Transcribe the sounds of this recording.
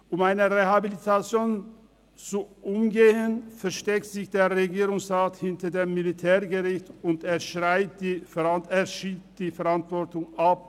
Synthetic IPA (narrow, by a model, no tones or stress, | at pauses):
ʔʊmaɪnəʁehabilitʰat͡sjoːn | t͡suʔʊmɡeːənfɛɐʃtɛk̚tz̥ɪçd̥eːɐʁeɡiːʁʊŋsʁaːthɪntɐdeːmːilitʰɛːʁɡəʁɪçtʊnteːɐʃʁaɪt̚d̥iːfɛʁanteːɐʃiːtd̥iːfɛɐʁantv̥ɔɐtʊŋʔap̚